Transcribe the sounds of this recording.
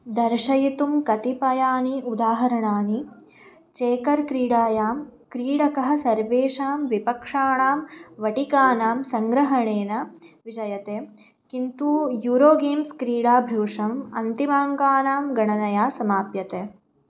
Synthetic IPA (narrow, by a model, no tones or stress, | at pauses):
d̪ɐɾʃɐjit̪umkɐt̪ipɐjaːniud̪aːɦɐɾɐɳaːni | t͡ʃeːkɐɾkɾiːɽaːjaːmkɾiːɽɐkɐɦɐ̆sɐɾʋeːʂaːmʋipɐkʂaːɳaːmʋɐʈikaːnaːmsɐŋɡɾɐɦɐɳeːnɐʋid͡ʒɐjɐt̪eː | kint̪uːjuːɾoːɡeːmskɾiːɽaːbʱɾuːʂɐmɐ̰nt̪imaːŋɡaːnaːmɡɐɳɐnɐjaːsɐmaːpjɐt̪eː